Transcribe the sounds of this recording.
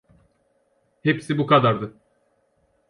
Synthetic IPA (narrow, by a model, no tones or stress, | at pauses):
hepsibukad̪aɾd̪ɯ